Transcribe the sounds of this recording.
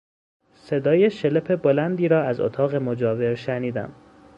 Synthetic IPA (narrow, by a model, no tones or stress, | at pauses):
se̞d̪ɒːjeʃe̞lepʰe̞bolænd̪iːɾɒːæzo̰t̪ʰɒːɣe̞mod͡ʒɒːve̞ɾʃæniːd̪æ̰m